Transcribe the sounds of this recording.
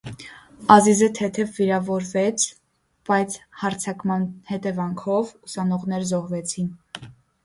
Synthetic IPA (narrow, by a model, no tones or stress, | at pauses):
ɑzizət̪ʰɛt̪ʰɛvːiɾɑvɔɾvɛt͡sʰ | b̥ɑjt͡sʰhɑɾt͡sʰɑkmɑnhɛt̪ɛvɑŋkʰɔvusɑnɔʁnɛɾzɔhvɛt͡sʰin